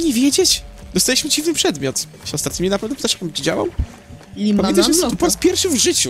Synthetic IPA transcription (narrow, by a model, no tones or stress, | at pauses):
ɲɛvʲjɛd͡ʑet͡ɕd̪ɔst̪alʲiɕmɘd͡ʑivnɨpʂɛd̪mʲjɔt̪ | ɕɛɔst̪at̪̚ɲʲimɲɛnapɛvnɛpɘt̪aʂkambt͡ɕid͡ʑa̰wa̰w | amʲɛnt̪aʃnmɛt̪upɔɾaspʲjɛɾfʂɨvʐɘt͡ɕu